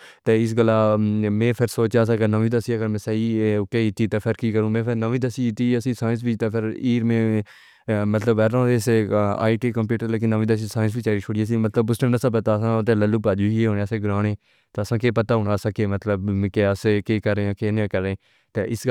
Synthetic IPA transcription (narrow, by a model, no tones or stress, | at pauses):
t̪eːɪs̬ɡəlːaːmẽːpʰɪɾsoːt͡ʃaːs̬ãːɡənəʋĩːd̪əsiːəɡəɾmẽːsəiːkeːɪt̪ːiːt̪eːpʰɪɾkiːkəɾũːmẽːpʰɪɾnəʋĩːd̪əsit̪iːəsĩːsaːɪ̃ns̬biːt̪eːpʰɪɾiːɾmẽː | mət̪ləbɛɾãːesa̰ːiːʈiːkəmpjuːʈəɾleːkɪnəʋĩːd̪əsiːsaːɪ̃ns̬biːt͡ʃaːɾiːt͡ʃʰoɽijaːs̬ĩːmət̪ləbʊsʈəmdəsãːp̬ət̪aːəsãːt̪eːləlːuːpaːd͡ʒuːieɦoːneːəseːɡɾaːneː | t̪eːəsãːkeːpət̪aːɦʊːnaːsaːkeːmət̪ləbkeəsekeːkəɾẽːkeːnẽːkəɾẽː | t̪eːʔɪs